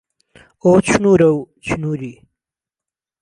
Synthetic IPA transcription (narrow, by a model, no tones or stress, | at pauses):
ot͡ɕʰunuːɾɐw | t͡ɕʰunuɾi